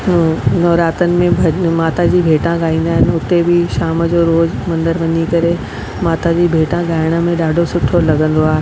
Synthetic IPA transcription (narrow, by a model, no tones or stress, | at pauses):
nɔːɾaːt̪ənɪ̆mẽbʱɐmaːt̪ad͡ʑiːbʱeːʈãɡaːĩːn̆d̪aːɦɪnɪ̆ʊt̪ebɪʃaːmd͡ʑoːɾoːzmɐ̃nd̪əɾʋɐɲikɐɾe | maːt̪ad͡ʑiːbʱeːʈãɠaːɪɽ̃ə̆mẽɗaːɖʱosʊʈʰolɐɡə̃nd̪oaːɦe